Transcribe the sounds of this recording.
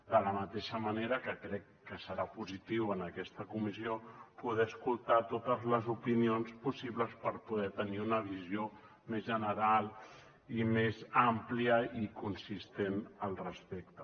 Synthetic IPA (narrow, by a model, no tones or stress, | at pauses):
d̪ələmət̪eʃəməneɾəkəkɾɛkːəsəɾapuzit̪iwənəkɛst̪əkumiziopuð̞ɛəskulˠt̪at̪ot̪əzləzupinionspusiβləspəɾpuðɛt̪əniunəβ̞izio | mezʒənəɾalˠ | imezampliəikunsist̪enəlˠrəspek̚t̪ə